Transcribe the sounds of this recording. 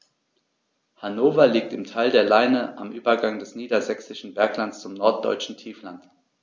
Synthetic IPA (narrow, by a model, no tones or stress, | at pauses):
hanoːfɐliːk̚tɪmtʰaɪldeːɐlaɪnəʔamʔyːbɐɡaŋdɛsniːdɐzɛksɪʃn̩bɛɐklantt͡st͡sʊmnɔɐt̚d̥ɔ̰ʏt͡ʃn̩tʰiːflant